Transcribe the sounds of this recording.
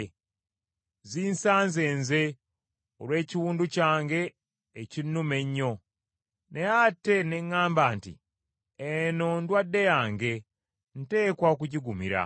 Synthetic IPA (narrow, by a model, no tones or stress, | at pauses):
ziːnsaːnze̞ːnze̞ | olwe̞ːciwuːnducaːŋɡe̞ː | cinːume̞ɲːo̞ | ne̞jatːe̞ne̞ŋːaːmbaːntḭ | eno̞ndwadːe̞jaːŋɡe̞ | n̩te̞ːkwaok̬uɟiɡumḭɾa̰